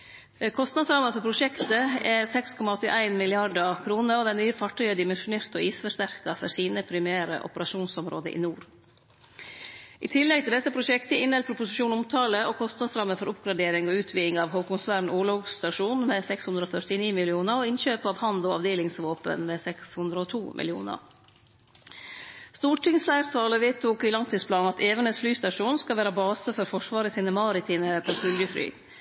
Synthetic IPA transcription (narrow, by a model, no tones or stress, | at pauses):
kʰɔst̪nɑd̪sɾɑməfɔɾpʰɾʊʂɛkt̪əɛsɛkskʰɔmɑɔt̪ːɪʔæɪnmɪlɪɑɖəkʰɾuːnəɾɔd̪ɛnyːəfɑʈʰːœʏəd̪ɪmɛnʂʊneːɾt̪ɔiːsfœʂt̪æɾkɑfɔɾsiːnəpʰɾɪmæːɾə̰ʔɔ̰pəɾɑʂuːnsɔmɾo̰ːd̪ə̰ʔḭːnuːɾ | ʔḭːt̪ʰɪlːɛɡ̚t̪ʰɪld̪ɛsəpʰɾʊʂɛkt̪əɪnɛlpʰɾʊpʊsɪʂuːnʊmt̪ʰɑːləʔoːkʰɔst̪nɑd̪sɾɑmːəfɔɾʊpɡɾɑɖeːɾɪŋɔʉːt̪ʰʋiːɪŋɑːʋɦoːkʊnsæːɾɳ̩ʔuːlʊʋt̪ɑʂuːnmesɛkshʉnd̪ɾəɔːfœʈɪniːmɪlɪuːnəɾɔːɪnçøːpɑːʋhɑnd̪ɔɑ̰ʋd̪eːlɪŋsʋoːpə̰nmeːsɛkshʉnd̪ɾəɔt̪ʰuːmʔɪ̰lɪṵːnə̰ɾ | st̪uːʈʰɪŋsflæɪɾt̪ʰɑːləʋeːt̪ʰːʊkɪlɑŋt̪ʰiːspʰlɑːnɑt̪ʰeːʋəɳəsflyːst̪ɑʂuːnskɑʋæːɾəbɑːsəfɔɾfɔʂʋɑːɾəsɪːnəmɑɾɪt̪ʰiːməpʰoːsʏljəfly̰ː